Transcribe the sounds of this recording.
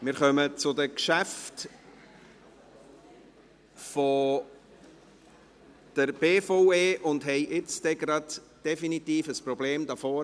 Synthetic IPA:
mɪɾχœmət͡sʊdəkʃæft | fɔ | d̥əɾb̥eːfoʊeːʔʊndɦɛɪʔɪt͡sd̥ɛɡɾɑd | d̥ɛfinit̪iːfəspɾɔbleːmdɑfɔː

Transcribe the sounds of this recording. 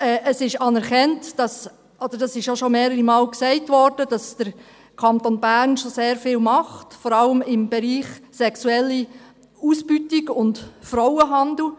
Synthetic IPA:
ɛːʔəsɪʃɑnɛɾkɛntd̥ɑs | ʔod̥̪əɾd̥ɑsɪʃjoʃomeːɾəɾimɑːlksɛɪtʋɔɾd̥əd̥ɑsd̥əɾ | kʰɑnt̪onbæɾnʃoseːɾfɪːlmɑχtfɔɾɑləmɪmbɛɾiːχsɛksuɛlːi | usbytɪɡʊntfɾɔwəɦɑnd̪l̩

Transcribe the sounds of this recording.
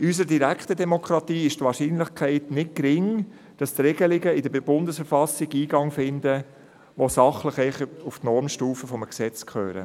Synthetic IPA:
ys̬əɾdiɾækχtədɛmokʰɾɑt̪iːɪʃtʋɑːɾʃiːnlɪχkʰɛɪtnɪt̚kɾɪŋ | d̥ɑst̪ɾeɡəlɪɡəɪd̥əb̥ʊndəsfəɾfɑsɪɡiːɡɑŋfɪndə | ʋosɑχləχɛɪχuftnɔɾmʃtuːfəfɔməksɛt͡skχø̰ːɾə̰

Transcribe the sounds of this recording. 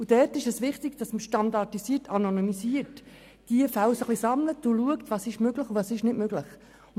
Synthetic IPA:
ud̥ɛːtɪʃɛsʋɪχtɪɡd̥ɑsməʃtɑndɑtisiːəɾtʰɑnonymisiət | d̥iəfawsəχlisɑmlətʊluəktvɑːsɪʃmøɡləχuvɑːsɪʃnɪtmøɡləχ

